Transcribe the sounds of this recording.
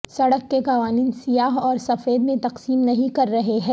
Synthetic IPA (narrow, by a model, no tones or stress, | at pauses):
sɐɽəkːekɐʋaːniːnsijaːɦɔːɾsɐfeːd̪mẽt̪ɐqsiːmnɐɦĩkɐɾːɐɦeɦɛ̃ː